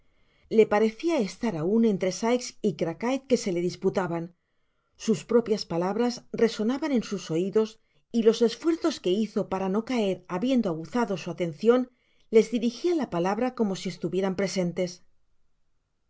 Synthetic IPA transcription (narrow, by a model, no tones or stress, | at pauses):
le̞paɾe̞θiae̞st̪aɾaune̞nt̪ɾe̞sajksikɾakajt̪̚ke̞se̞le̞ðisput̪aβan | suspɾo̞pjaspalaβɾazre̞so̞naβanẽ̞nsuso̞iðo̞s | ilo̞se̞sfwe̞ɾθo̞ske̞iθo̞paɾano̞kae̞ɾaβje̞nd̪oaɣuθaðo̞suat̪e̞nθjo̞n | le̞zðiɾixialapalaβɾako̞mo̞sie̞st̪uβje̞ɾampɾe̞se̞nt̪e̞s